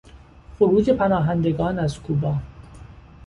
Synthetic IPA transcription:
foɾuːd͡ʒe̞pʰænɒːɦænd̪e̞ɡɒːnæzkʰuːbɒː

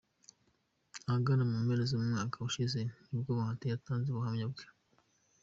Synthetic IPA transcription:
aɡanamemeɾezemumŋaːkʰauʃizenibɡoβahatejataːnzeβuɦamɲabɡe̥

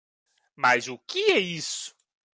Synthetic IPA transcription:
mazʊkɪɛisʊ̥

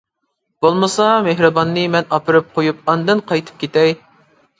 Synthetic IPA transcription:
b̥olˠmɨsɑmeɦɾɨbɑnːɨmɛnɑpʰɨɾɨp̚qʰojup̚ɑnd̪ɨnqʰɑjt̪ʰɨ̥p̚kʲʰet̪ɛj

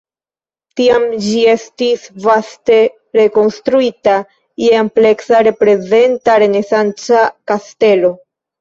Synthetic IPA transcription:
tiamd͡ʒie̞stisvaste̞ | ɾe̞ko̞nstɾuita | jeample̞ksaɾe̞pɾe̞ze̞ntaɾe̞ne̞sant͡sakaste̞lo̞

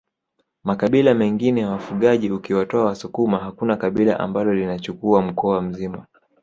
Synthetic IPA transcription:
makaɓilamɛŋɡinɛjawafuɠaʄiukiwatɔawasukumaɦakunakaɓila̰ʔa̰mbalɔlinat͡ʃukuam̩kɔam̩zima

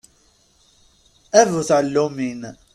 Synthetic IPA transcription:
ævuθʕəlːumin

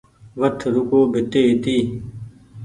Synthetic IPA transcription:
ʋətʰɾukoːbʱɪt̪eːit̪iː

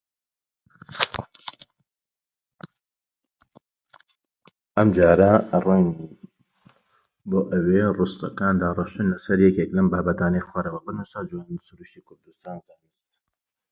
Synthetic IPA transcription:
ʔɐmd͡ʒaːɾɐraŋi | boːʔɐwerust̪ɐ̰kaːnd̪aːrˤɨʃt̪unlɐsɐɾjɛkeːklɐmbaːbɐt̪aːnɐjxwaɾɐwɐbɨnusɐd͡ʒwanisuɾuʃt̪ikʰʊɾd̪ust̪aːnzaːnist̪

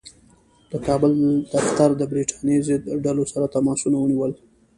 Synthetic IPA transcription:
d̪̥əkɑbəld̪̥axt̪aɾd̪əbɾiʈʰɑnjezɪd̪ɖalosaɾat̪amɑsunawəniwəl

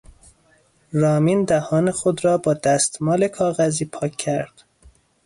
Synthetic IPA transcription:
ɾɒːmiːnd̪æhɒːnexod̪ɾɒːbɒːd̪æst̪mɒːlekʰɒːɣæziːpʰɒːkʰːæɾd̪̥

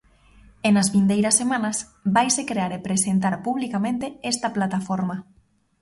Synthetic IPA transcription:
enazβind̪ejɾɐsːemãnɐs | bajsekɾeaɾepɾesent̪̬aɾpuβlikamẽnt̪eest̪ɐplat̪afoɾma

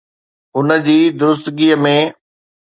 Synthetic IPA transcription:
ʊnəd͡ʑiːd̪ʊɾʊst̪ɡiːəmẽ

